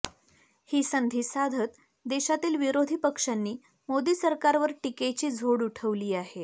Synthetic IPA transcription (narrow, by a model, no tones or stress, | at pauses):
hiːsənd̪ʱiːsad̪ʱət̪ | d̪eɕat̪iːlʋiɾod̪ʱiːpəkʂanːiː | mod̪iːsəɾkaɾʋəɾʈiket͡ɕiːd͡zʱoɽuʈʰəʋliːaɦe